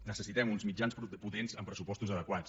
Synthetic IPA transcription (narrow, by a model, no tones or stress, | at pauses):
nəsəsit̪ɛmunzmid͡ʒanspput̪enzəmpɾəsupɔst̪uzəðəkwat͡s